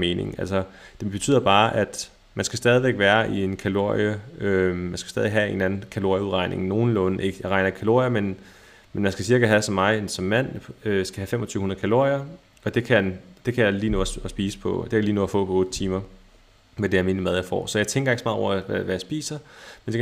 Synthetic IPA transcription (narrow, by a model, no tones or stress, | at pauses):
me̝ːne̝ŋælsʌd̥e̝b̥e̝t͡sʰy̰ðˠɐb̥ɑ̈ːʔæd̥ | mænsɡ̥æsd̥ɛːð̞ˠiʋeɡ̥ʋæːɐʔie̝nkʰælo̝ɐ̰ijəømænsɡ̥æsd̥ɛð̞ˠʋe̝ɡɦæe̝nænn̩kʰælo̝ɐ̰jəuðˠʁɑ̈ɪ̰nʔe̝ŋno̝ːn̩lɔ̽nʔe̝ɡ̥əjɑ̈ʁɑ̈ɪnɐikʰælo̝ɐiɐmen | menmænsɡ̥æsiɐɡ̥ɐɦæsɒ̽mːɑ̈ɪsɒ̽mːæn̰øsɡ̥æhæfem̰ʔɒt͡sʰyːʊhunɐð̩ˠkʰælo̝ɐ̰iɐ | ɒ̽d̥e̝kʰæænd̥e̝kʰæjɑliːnoːsb̥iːsə̥pʰɒ̽d̥e̝jliːnoɔːðˠɐfɔ̰̽ːpʰɒ̽ɔ̽ːd̥t͡sʰiːmɐ | med̥e̝æɐme̝ːnmæð̞ˠjɑ̈ɪfɒ̰ːsɒjɑ̈ɪt͡sʰeŋɡɐeɡ̥smɑ̈ðˠɒ̰ɐæʋæjɑsb̥ḭːsɐmense